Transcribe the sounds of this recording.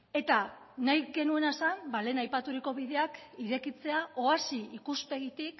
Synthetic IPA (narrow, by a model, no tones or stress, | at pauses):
e̞t̪a | najɡe̞nue̞nasambale̞ːnajpat̪uɾiko̞βið̞e̞akiɾe̞kit͡se̞ao̞asiikuspe̞ɣ̞it̪ik